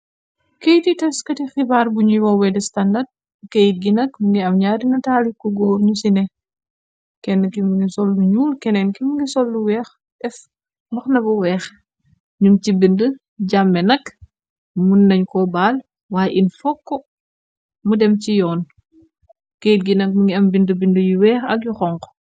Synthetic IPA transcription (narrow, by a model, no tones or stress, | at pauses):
kejtitɐskɐtixibaːɾbuɲuwɔwɛdɛstandad̚ | kejt̚ɡinɐkmuŋɡiɐmɲaːɾinɐtaːlikɔɡɔːɾɲusinɛ | kɛnːɐkimuŋɡisɔlːuɲuːlkɛnɛnkimuŋɡisɔlːuwɛːx | ʔɛf | bɐxnɐbɔwɛːx | ɲunt͡ʃibində | ɟamːɛnɐk | munːɐɲkɔbaːl | waːjʔinfɔkːɔ | mudɛmcijɔːn | kejit̚ɡinɐk̚muŋɡiɐmbindəbindəjiwɛːxɐk̚juxɔŋkɔ̥